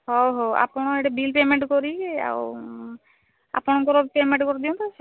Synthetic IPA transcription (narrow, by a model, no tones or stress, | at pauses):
hɔɦoa̰pɔɽ̃ɔeɽebilpemeɳʈkɔɾia̰w | a̰pɔɽ̃ɔŋkɔɾɔpemeɳʈkɔɾd̪ijɔ̃nt̪ʰɔse